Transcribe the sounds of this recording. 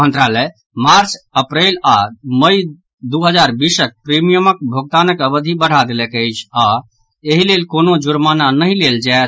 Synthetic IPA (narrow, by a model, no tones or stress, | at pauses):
mə̃nt̪ɾalɛ | maɾt͡ʃəpɾelaməj | d̪uɦəd͡ʒaɾbisək̚pɾemijəməkbʱoɡ̚t̪anəkəbəd̪ʱibəɽ̤ad̪elɛkəɪt͡ʃʰa | eɦilelkonod͡ʒuɾmananəɦĩleld͡ʒaet̪